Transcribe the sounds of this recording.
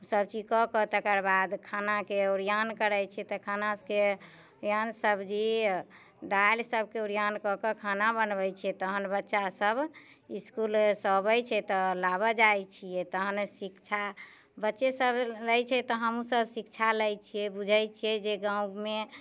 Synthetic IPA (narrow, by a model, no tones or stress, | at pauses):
səb̚t͡ʃikɔkɔt̪əkəɾbad̪kʰanakeuɾijankəɾəjt͡ʃʰɛt̪ɔkʰanaske | jansəbd͡ʒi | d̪ailsəb̚keuɾijankɔkəkʰanabənbɛjt͡ʃʰɛt̪əɦənbətːʃasəb | iskulsəbəjt͡ʃʰɛt̪ɔlabəd͡ʒajt͡ʃʰijɛt̪əɦənsikt͡ʃʰa | bətːʃesəbləjt͡ʃʰɛt̪ɔɦəmusəbsikt͡ʃʰaləjt͡ʃʰijɛbud͡ʒʱɛjt͡ʃʰiɛd͡ʒeɡãũme